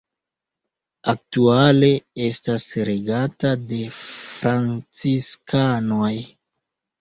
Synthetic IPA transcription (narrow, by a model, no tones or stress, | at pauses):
ak̚tuale̞e̞stasɾeɡatade̞fɾant͡siskanoj